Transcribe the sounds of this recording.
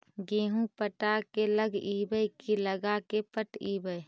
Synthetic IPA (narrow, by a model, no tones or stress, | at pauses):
ɡeːɦũpəʈakeləɡiːbəjkiləɡakepəʈiːbəj